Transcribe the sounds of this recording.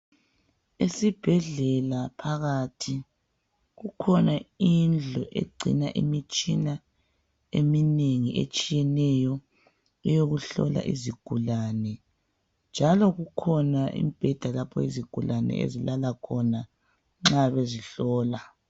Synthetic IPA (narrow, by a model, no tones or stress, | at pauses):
esib̥ʱɛɮɛlapʰaɣatʰi | ɣukʰɔnaind͡ɮʱɔʔḛɡ͡ǀʱḭnaʔḭmit͡ʃʼina | emineŋiʔḛt͡ʃʼijɛnɛjɔ | ɛjoɣuɬɔ̰la̰ʔiziɡ̥ʱulanɛ | nd͡ʒʱalɔɣukʰɔnaʔḭmib̥ʱɛd̥ʱalapʰɔiziɡ̥ʱulʔanɛ̰ḛzilalakʰɔna | ŋ͡ǁaβeziɬɔːla